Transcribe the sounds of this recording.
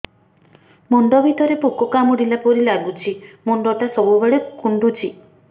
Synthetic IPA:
muɳɖɔbʱit̪ɔɾepukɔkamɔɽilapɔɾilaɡut͡ʃʰimuɳɖɔʈasɔbubeɭekuɳɖut͡ʃʰi

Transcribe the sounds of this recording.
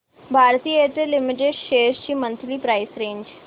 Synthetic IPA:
bʱaːɾt̪iːəeːt̪elɪmɪʈ̬eɖʃeːʃt͡ʃiːmə̃nt̪lipɾaːɪsɾẽːɲd͡ʒ

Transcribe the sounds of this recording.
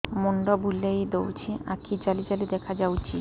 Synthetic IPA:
moɳɖɔbulejd̪ewt͡ɕʰiakʰid͡ʑalid͡ʑalid̪ɛkʰad͡ʑawt͡ʃʰi

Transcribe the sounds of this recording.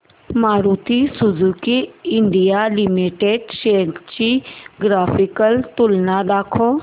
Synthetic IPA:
maːɾuːt̪isʊzuːkiɪɳɖijalɪmiʈeɖʃeːkt͡ʃiɡɾaːpʰikəlt̪ʊlnad̪aːkʰoː

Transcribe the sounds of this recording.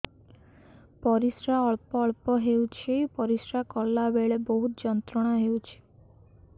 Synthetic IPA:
pɔɾisɾaɔɭpɔːɭpɔɦewt͡ʃʰipɔɾisɾakɔlːabeɭebɔɦut̪d͡ʒɔnt̪ɾɔɽ̃aɦewt͡ʃʰi̥

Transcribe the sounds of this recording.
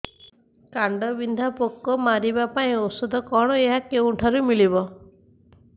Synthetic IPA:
kaɳɖɔbind̪ʱapokːɔmaɾibapaĩosud̪ʱɔkɔɽ̃ɔeɦakew̃ʈʰaɾumilibɔ

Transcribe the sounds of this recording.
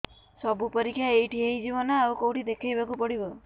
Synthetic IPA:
sɔbupɔɾikʰːjaejʈʰiejd͡ʒibɔnɔawkowʈid̪ekʰajbakupɔɽibɔ

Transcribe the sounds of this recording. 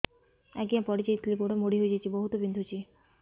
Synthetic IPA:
ɛ̰kiãpɔɽit͡ɕɔjit̪ʰlipoʈamoɽiɦojd͡ʑet͡ʃʰiboɦut̪obind̪ʱut͡ʃʰi

